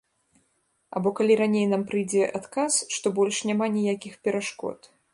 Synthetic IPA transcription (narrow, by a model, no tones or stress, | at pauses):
a̰bɔkalʲiɾanʲejnampɾɨjd͡zʲɛʔat̪kasʂt̪ɔbɔlʲʂnʲamanʲijakʲixpʲɛɾaʂkɔ̰t̪